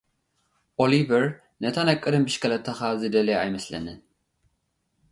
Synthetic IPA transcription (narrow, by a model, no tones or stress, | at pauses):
ʔolivɐɾ | nɐt̪ʰanakʼːɨd̪ɨmbɨʃkʰɐlɐt̪ʰːɐxazɨd̪ɐleajmɐslɐ̰nɨn